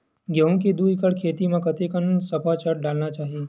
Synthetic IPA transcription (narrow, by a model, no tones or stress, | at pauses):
ɡəɦũked̪uikəɭkʰet̪imãkət̪ekənsəpat͡ʃəɾɖalnat͡ʃaɦi